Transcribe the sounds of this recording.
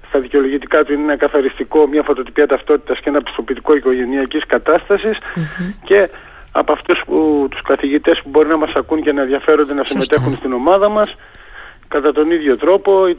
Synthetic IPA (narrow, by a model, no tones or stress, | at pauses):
st̪ɐðiceo̞lo̞ʝit̪ikɐt̪uineenɐkɐθɐɾist̪iko̞mɲɐfot̪o̞t̪ipiɐt̪ɐft̪o̞t̪i̥t̪ɐsceenɐpi̥st̪o̞pit̪iko̞iko̞ʝe̞niɐciskɐt̪ɐst̪ɐsisce̞ | ɐpɐft̪usput̪u̥skɐθiʝit̪e̞spubo̞ɾinɐmɐsɐkunce̞nɐenðʝɐfe̞ɾo̞nd̪enɐsime̞t̪e̞xunst̪ino̞mɐðɐmɐs | kɐt̪ɐt̪o̞niðʝo̞t̪ɾo̞po̞i